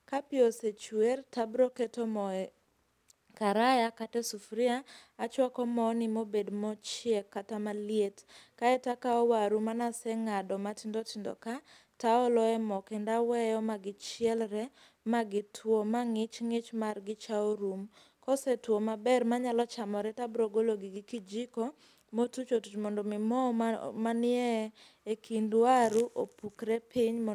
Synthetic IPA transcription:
kapɪoset͡ʃwertabɾoketomɔɛ | kaɾajakatɛsufɾiaːt͡ʃwakɔmɔnɪmobedmɔt͡ʃekːatamaljetkaɛtakaɔwaɾumanasɛŋadɔmatɪndotɪndɔ̰ka | taɔlɔɛmɔkɛndawɛjɔmaɡɪt͡ʃɪɛlɾɛ | maɡɪtʰwomaŋɪt͡ʃŋɪt͡ʃmarɡɪt͡ʃaoɾum | kɔsɛtwomabɛrmaɲalɔt͡ʃamɔɾɛtabɾoɡoloɡɪɡɪkid͡ʒikɔ | motut͡ʃotut͡ʃmɔndɔmɪmɔmanɪɛ | ekʰindwaɾuʔopukɾɛpiɲmɔ

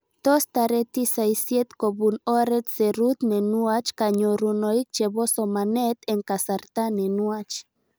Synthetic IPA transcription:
d̪̥ost̪aɾet̪isajsjet̪koβunoɾet̪seɾut̪nenuat͡ʃkaɲoɾunoik̚t͡ʃeβosomanet̪eŋkasaɾt̪anenuat͡ʃ

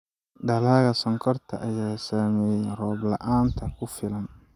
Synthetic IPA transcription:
ɖɐlaːɣɐsɔŋkʰɔrt̪ʰɐ̰ʔɐjaːsaːmɛːjɛnrɔːblɐʔaːnt̪ʰɐkʰʊfɪlɐn

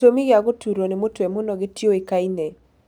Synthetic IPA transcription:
omiɡɪaɡotuɾonɪmotwemʊnɔɡɪtjoɪkaine

